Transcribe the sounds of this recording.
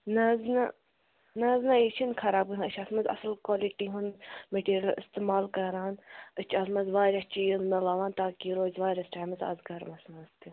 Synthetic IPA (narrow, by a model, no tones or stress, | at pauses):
nɐznɐ | nɐznɐit͡ʃʰinkʰɐɾaːb̚ɡɨɨt͡ʃʰɐsmɐnzɐ̰slkwaːliʈiɦunmeʈiːɾʲɐlɨ̰st̪emaːlkɐɾaːnɨt͡ʃʰɐsmɐzʋaːɾʲjɐst͡ʃiːzmɐlɐʋaːnt̪aːkiɾoːzʋaːɾʲɐsʈʰaːmzɐ̰zɡɐɾmɐsmɐzt̪i